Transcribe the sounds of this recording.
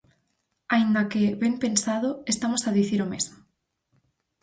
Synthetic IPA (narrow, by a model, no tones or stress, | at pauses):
aind̪akeβempensaðoest̪amosaðiθiɾomezmo